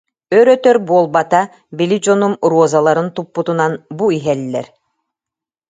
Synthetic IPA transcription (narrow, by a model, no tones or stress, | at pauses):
œɾœt̪œɾbuɔlˠbat̪a | bilid͡ʑɔnumɾuɔzalˠaɾɯnt̪upːut̪unanbuiɦɛlːɛ̰ɾ